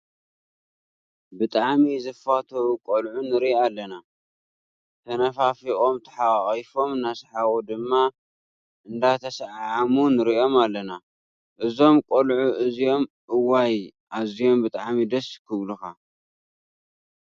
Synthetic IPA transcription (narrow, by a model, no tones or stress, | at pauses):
bɨt̪ʼaʕmizɨfat̪ʰɐwukʼolʕunɨɾialːɐna | t̪ʰɐnɐfafiʔʼo̞mt̪ʰɐ̥ħaχʼjfo̞mnasħawod̪ɨmːa | ʔɨnd̪at̪ʰɐsʕʕʕamunɨɾiʔo̞malːɐna | ʔɨzo̞mkʼolʕuʔɨzijo̞mʔɨwajʔazijo̞mbɨt̪ʼaʕmid̪ɐskʰɨβluxa